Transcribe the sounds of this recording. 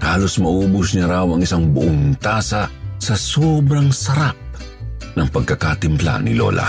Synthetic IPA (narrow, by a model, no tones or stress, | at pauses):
haːlosmɐʔuːbʊsnɐɾawɐŋɪsaŋbʊʔʊŋt̪aːsasɐsoːbɾɐŋsɐɾap̚ | nɐŋpɐɡ̚kɐkat̪ɪmpla̰nɪlo̰lʔa̰